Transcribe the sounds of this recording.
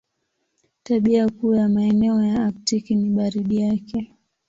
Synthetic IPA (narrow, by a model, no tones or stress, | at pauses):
taɓiakuːjamaɛnɛɔjaaktikiniɓaɾiɗijakɛ